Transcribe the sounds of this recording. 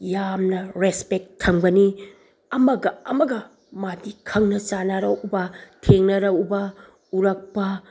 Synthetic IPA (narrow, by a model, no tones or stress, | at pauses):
jamnɐɾespek̚tʰːɐŋbɐni | ɐmɐɡɐɐmɐɡɐ | madikʰɐŋnɐt͡ʃanɐɾɐwbɐtʰeŋnɐɾɐwubɐ | uɾɐk̚pɐ